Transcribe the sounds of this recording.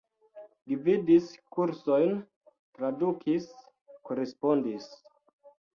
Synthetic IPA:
lividiskuɾso̞jn | tɾadukʰis | koɾespo̞ndis

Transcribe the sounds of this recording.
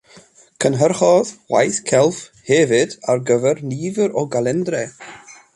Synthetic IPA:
kʰənɦərχɔðwa̰jθkʰɛlˠfhɛvɨd̥arɡəvɛrniːvəɾɔɡalˠɛndrɛ

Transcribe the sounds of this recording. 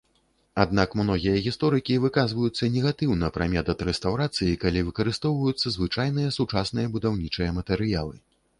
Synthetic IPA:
ad̪̚nakmnɔɣʲijɐɣʲist̪ɔɾɨkʲivɨkazvɐjut̪sːɐnʲɛɣat̪ɨwnɐpɾa̰mʲɛt̪ɐt̪ɾɛst̪awɾat̪sɨjikalʲivɨkɐɾɨst̪ɔwvɐjut̪sːɐzvɨt͡ʂajnɨjɐsut͡ʂasnɨjɐbud̪awnʲit͡ʂɨjɐmɐt̪ɛɾɨjalˠɨ̰

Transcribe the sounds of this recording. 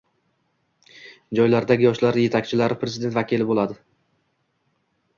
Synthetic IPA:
d͡ʒɒjlaɾd̪aɡʲɪjɒʃlaɾje̞t̪ʰakʲt͡ʃʰɪlaɾɪpɾe̞zɪd̪e̞nt̪vakʲilɪbolˠad̪ɪ

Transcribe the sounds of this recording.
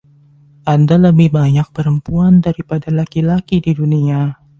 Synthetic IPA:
ʔandaləbɪhbaɲak̚pəɾəmpuandaɾipadalakilakididunia

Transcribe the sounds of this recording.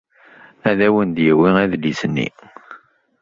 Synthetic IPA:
æðæwənd̪jəwiæðlisənːḭ

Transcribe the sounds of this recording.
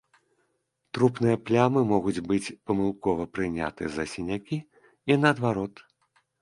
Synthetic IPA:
t̪ɾupnɨjɐplʲamɨmɔɣud͡zʲbɨt͡sʲpɐmɨlˠkɔvɐpɾɨnʲa̰t̪ɨjɐzɐsʲinʲakʲi | inɐːd̪vaɾɔt̪

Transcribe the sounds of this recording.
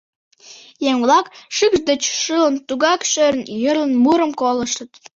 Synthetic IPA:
jeŋvlɑkʃykʃd̪ət͡ɕʃələnt̪uɣɑkʃøɾnjərlənmuɾəmkoləʃət̪

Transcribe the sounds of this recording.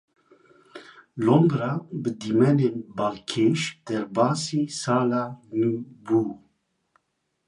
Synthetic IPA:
lombɾabəd̪iːmɛneːnbalkʰeːʃd̪̥ɛɾbaːsiːsaːlanibuː

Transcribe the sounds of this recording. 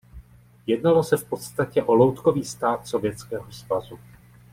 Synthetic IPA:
jɛdnalo̞sɛfpo̞t̪st̪acɛʔo̞lowt̪ko̞viːst̪aːt̪so̞vjɛt͡skɛːɦo̞svazu

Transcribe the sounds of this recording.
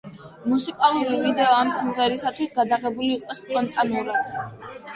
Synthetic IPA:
musikʼalˠuɾivid̪ɛɔamsiŋʁɛɾisat̪ʰwisɡad̪aʁɛbuliːkʼwɛspʼɔnt̪ʼanuɾad̪̥

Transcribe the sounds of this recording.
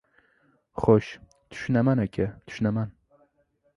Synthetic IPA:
χoʃ | t̪ʰʊ̥ʃnamanakʲʰat̪ʰʊ̥ʃnaman

